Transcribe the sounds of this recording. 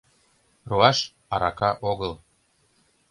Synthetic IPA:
roɑʃ | ɑɾɑ̰kɑʔoɣɤl

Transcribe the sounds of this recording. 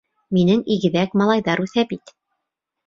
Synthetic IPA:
minɘŋiɡɘ̆ðækmɑlˠɑjðɑɾʉθæbit̪

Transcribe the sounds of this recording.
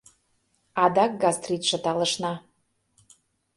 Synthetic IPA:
ɑd̪ɑk̚ɡɑst̪rʲit̪ʃə̆t̪ɑlə̆ʃnɑ

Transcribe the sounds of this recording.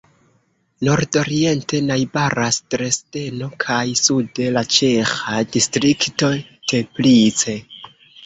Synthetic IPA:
no̞ɾdo̞ɾie̞nte̞najbaɾastɾe̞ste̞no̞kʰajsude̞lat͡ʃe̞xadistɾikto̞te̞plit͡se̞

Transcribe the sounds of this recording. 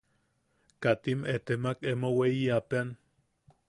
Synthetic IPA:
kat̪imet̪emakemoweiapean

